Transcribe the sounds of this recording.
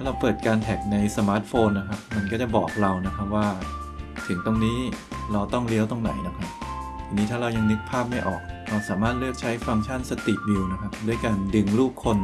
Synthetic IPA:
tʰa˥˩ɾa˧wpɤː˨˩t̪̚kaː˧nt̪ʰɛ˨˩k̚na˧jsa˧maː˦˥t̪̚foː˧nːa˦˥kʰa˦˥p̚ma˧nkɔː˥˩t͡ɕa˨˩bɔ̰ː˨˩k̚ɾa˧wna˦˥kʰa˦˥p̚waː˥˩ | t̪ʰɯ˩˦ŋt̪o˧ŋniː˦˥ɾa˧wt̪ɔ˥˩ŋli˦˥əwt̪o˧ŋna̰˨˩˦jna˦˥kʰa˦˥p̪̚ʰaː˧niː˦˥t̪ʰaː˥˩ɾa˧wja˧ŋnɯ˦˥k̚pʰaː˥˩p̚ma˥˩jʔɔ̰ː˨˩k̚ɾa˧wsaː˩˦maː˥˩t̪̚lɯ˥˩ək̚t͡ɕʰa˦˥jfa˧ŋt͡ɕʰa˥˩nsa˧t̪i˨˩bi˧wna˦˥kʰa˦˥p̚du˥˩əjkaː˧ndɯ˧ŋluː˥˩kʰːo˧n

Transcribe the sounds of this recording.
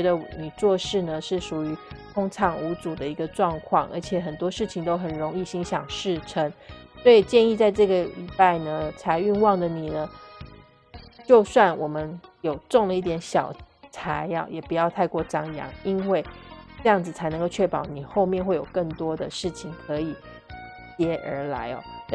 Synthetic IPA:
ɛ˧˥d̪ə˧ni˨˩t͡swɔ˥˧ʂɻ̩˥˩nə˩ʂɻ̩˥˩ʂu˨˩y˧˥t̪ʰʊ˥ŋʈ͡ʂʰɑ˨˥ŋu˧˥t͡su˨˩d̪ə˦i˧˥ɡə˧ʈ͡ʂwɑ˥˧ŋkʰwɑ̰˥˩ŋʔə̰˞˧˥t͡ɕʰjɛ˨˩xə˨˩nt̪wɔ˥ʂɻ̩˥˩t͡ɕʰi˨˩ŋt̪o˥ʊxə˨˩nɻʊ˧˥ŋi˥˩ɕi˥ŋɕjɑ˨˩ŋʂɻ̩˥˩ʈ͡ʂʰə˥ŋswɔ˧˥i˨˩t͡ɕjɛ˥˧ni˥˧t͡sa˥˧ɪʈ͡ʂɤ˥˩ɡə˩li˨˩pa˥˩ɪnə˩t͡sʰa˧˥ɪy˥˧nwɑ˥˩ŋd̪ə˩ni˨˩nə˦ | t͡ɕjo˥˧ʊswa˥˩nwɔ˨˩mə˦njo˨˩ʊʈ͡ʂʊ˥˩ŋlə˨˦i˥˩t̪̬jɛ˧˥nɕjɑ˨˩ʊt͡sʰa˧˥ɪɔ̰˨˩jɛ˨˩pu˧˥jɑ˥˧ʊt̪ʰa˥˧ɪkwɔ˥˩ʈ͡ʂɑ˥ŋjɑ̰˧˥ŋi˥nwe˥˩ɪʈ͡ʂɤ˥˧jɑ˥˩ŋd͡zɹ̩˩t͡sʰa˧˥ɪn˧ŋko˥˧ʊt͡ɕʰɥɛ˥˩pɑ˨˩˦ʊni˨˩xo˥˧ʊmjɛ˥˧nxwe˥ɪjo˨˩ʊkɤ˥˩ŋt̪wɔ˥d̪ə˨ʂɻ̩˥˩t͡ɕʰi˨˩ŋkʰɤ˧˥i˨˩˦ | t͡ɕjɛ˧˥ʔə̰˞˧˥la̰˧˥ɪɔ̰˧˦

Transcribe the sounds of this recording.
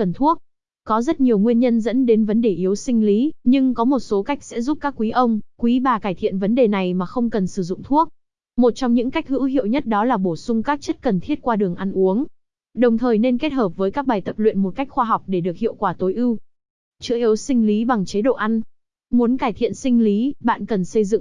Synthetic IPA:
ə˨˩nt̪ʰu˦˥ək̚ | kɔ˨˦zə˦˥t̚ɲi˨˩əwŋwi˧ənɲə˧nzə̰˧˥nɗe˨˦nvə˨˦nɗe˧˩ʔi˨˦əwsï˧ŋ̟li˨˦ɲɨ˧ŋkɔ˨˦mo˨˩t̚so˨˦ka˦˥k̚sɛ̰˧˥zu˦˥p̚kaː˦˥kːwi˨˦ʔə˧wŋ͡mkwi˨˦ɓaː˨˩kaː˧˩jt̪ʰḭ˧˨ənvə˨˦nɗe˨˩na˨˩jmaː˨˩xə˧wŋ͡mkə˨˩nsɨ˧˩zʊ̰˧˨ŋ͡mt̪ʰu˦˥ək̚ | mo˨˩t̚t͡ɕɔ˧wŋ͡mɲɨ̰˧˥ŋka˦˥jk̟̚hɨ̰˧˥ɦḭ˧˨əwɲə˦˥t̚ɗɔ˨˦laː˨˩ɓo˧˩sʊ˧ŋ͡mkaː˦˥k̚t͡ɕə˦˥t̚kə˨˩nt̪ʰi˦˥ət̚kwaː˧ɗɨ˨˩əŋʔa˧nʔu˨˦əŋ | ɗə˨˩wŋ͡mt̪ʰəː˨˩jne˧nke˦˥t̚həː˨˩p̚vəː˨˦jkaː˦˥k̚ɓaː˨˩jt̪ə˨˩p̚lwḭ˧˨ənmo˨˩t̚ka˦˥jk̟̚xwaː˧ɦa˨˩wk͡p̚ɗe˧˩ɗɨ˨˩ək̚hḭ˧˨əwkwaː˧˩t̪o˨˦jʔɨ˧w | t͡ɕɨ̰˧˥əʔi˨˦wsï˧ŋ̟li˨˦ɓa˨˩ŋt͡ɕe˨˦ɗo̰˧˨ʔa˧n | mu˨˦ənkaː˧˩jt̪ʰḭ˧˨ənsï˧ŋ̟li˨˦ɓa̰ː˧˨nkə˨˩nsə˧jzɨ̰˧˨ŋ

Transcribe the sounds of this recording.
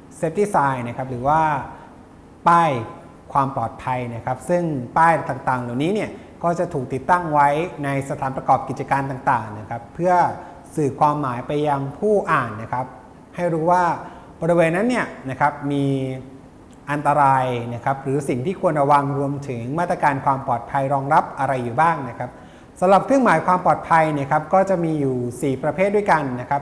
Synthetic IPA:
se˦˥p̚d̪i˦˥˩saː˧jna˦˥˩kʰa˦˥p̚ɾɯː˩˦waː˥˩ | paː˥˩j | kʰwaː˧mplɔː˨˩t̪̚pʰa˧jna˦˥kʰa˦˥p̚sɯ˥˩ŋpaː˥˩jt̪aː˨˩ŋt̪aː˨˩ŋlaː˨˩wniː˦˥ni˥˩ə | kɔː˥˩t͡ɕa˨˩t̪ʰuː˨˩k̚t̪i˨˩t̪ːa˥˩ŋwa˦˥jna˧jsa˧t̪ʰaː˩˦npɾa˧kɔː˨˩p̚ki˨˩t̪̚t͡ɕa˧kaː˧nt̪aː˨˩ŋt̪aː˨˩ŋna˦˥kʰa˦˥pʰːɯ˥˩ɐ | sɯː˨˩kʰwaː˧mːaː˩˦jpa˧jːa˧ŋpʰuː˥˩ʔaː˨˩nːa˦˥˩kʰa˦˥p̚ | ha˥˩jɾuː˦˥waː˥˩ | bɔː˧ɾi˧weː˧nːa˦˥nːi˥˩ɐna˦˥kʰa˦˥p̚miː˧ | ʔa˧nt̪a˧ɾaː˧jna˦˥˩kʰa˦˥p̚ɾɯː˩˦si˨˩ŋt̪ʰiː˥˩kʰu˧ənɾa˧wa˧ŋɾu˧əmt̪ʰɯ˩˦ŋmaː˥˩t̪ɾa˧kaː˧nkʰwaː˧mpɔː˨˩t̪̚pʰa˧jɾɔː˧ŋɾa˦˥p̚ʔa˧ɾa˧jːuː˨˩baː˥˩ŋna˦˥kʰa˦˥p̚ | sa˨˦mɾa˨˩p̚kʰɯ˥˩əŋmaː˨˦jkʰwaː˧mpɔː˨˩t̪̚pʰa˧jni˥˩kʰa˦˥p̚kɔː˥˩t͡ɕa˨˩miː˧juː˨˩siː˨˩pɾa˧pʰeː˥˩t̪̚du˥˩jka˧nːa˦˥kʰa˦˥p̚

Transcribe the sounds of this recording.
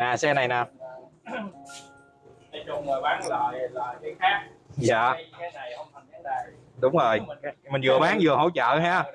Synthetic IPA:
ʔaː˨˩sɛ˧na˨˩jnaː˨˩˨ | ʊ˧ŋ͡mmə˨˩ɓaː˨˦nə˨˩jlə˨˩ji˨˦aː˦˥k̚za̰ː˧˨˦ | ɗʊ˨˦wŋ͡mzo˨˩jmï˨˩ŋ̟zɨ̰˨˩˨əɓaː˨˦ŋzɨ˨˩əho̰˧˥˦wt͡ɕə̰ː˧˨haː˧˥

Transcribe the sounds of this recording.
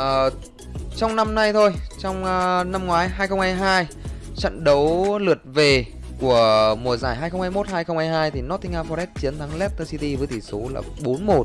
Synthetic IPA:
əː˨˩ | t͡ɕɔ˧wŋ͡mna˧mna˧jt̪ʰo˧jt͡ɕɔ˧wŋ͡mna˧mŋwaː˨˦jɦaː˧jxə˧wŋ͡mhaː˧jɦaː˧jt͡ɕə̰˧˨nɗə˨˦wlɨ˨˩ət̚ve˨˩ | ku˧˩əmu˨˩əzaː˧˩jɦaː˧jxə˧wŋ͡mhaː˧jmo˦˥t̚haː˧jxə˧wŋ͡mhaː˧jɦaː˧jt̪ʰi˨˩nɔ˦˥t̪i˧ŋʔaː˧fɔ˧ɾɛ˦˥t̚t͡ɕi˨˦ənt̪ʰa˨˦ŋlɛ˦˥t̚t̪əː˧si˧t̪i˧vəː˨˦jt̪ʰi˧˩so˨˦la̰ː˨˩ɓo˨˦nmo˨˩t̚

